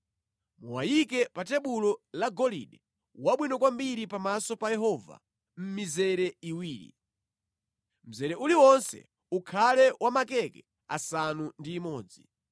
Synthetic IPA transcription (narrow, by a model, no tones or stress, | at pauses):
muwajikɛpatɛɓulɔlaɡɔlḭɗɛ | waɓwinɔkwambiɾipamasɔpajɛɦɔva̰ | m̩mizɛɾɛiwiːɾḭ | m̩zɛɾɛʔuliwɔnsɛ̰ | ukʰalɛwʔamakɛkɛ | a̰sanundiːmɔːd͡zi